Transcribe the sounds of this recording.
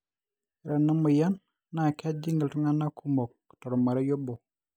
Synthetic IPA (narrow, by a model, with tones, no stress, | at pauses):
ɾenːa˦mujanː | a˨ka˦d͡ʒi˦ŋɡə˨ltu˦ŋana˦kʰumo˨k̚ː | to˨ɾomaɾejo˦bo